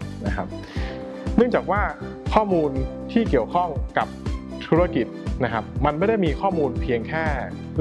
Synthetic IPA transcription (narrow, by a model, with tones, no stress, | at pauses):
na˦˥kʰa˦˥p̚ | nɯ˥˩ŋt͡ɕaː˨˩k̚waː˥˩ | kʰɔː˥˩muː˧nt̪ʰiː˥˩ki˨˩əwkʰɔ˥˩ŋka˨˩p̚ | t̪ʰu˦˥ɾa˧ki˨˩t̪̚na˦˥kʰa˦˥p̚ma˧nma˥˩jda˥˩jmiː˧kʰɔː˥˩muː˧npʰiː˧əŋkʰɛː˥˩